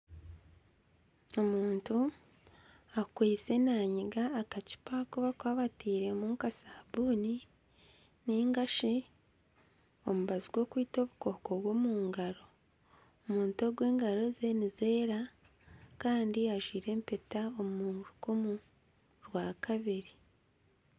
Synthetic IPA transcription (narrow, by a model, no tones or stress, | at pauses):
o̞muːntu | akwiːt͡se̞naːɲiɡaːkaci̥pakuβakwaːβatiːɾe̞muŋkasaːbuːni | niːŋɡaʃi | o̞muβaziɡwo̞ːkwiːto̞βuko̞ko̞ɡwo̞muːŋɡaɾo̞ | muːnto̞ɡwe̞ːŋɡaɾo̞ze̞nize̞ːɾa | kaːndiaʒwiːɾe̞ːmpe̞taomuɾukumu | ɾwaːkʰaβiɾi